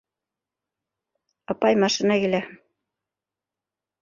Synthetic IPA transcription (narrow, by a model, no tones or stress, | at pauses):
ɑpɑjmɑʃinɑkilæ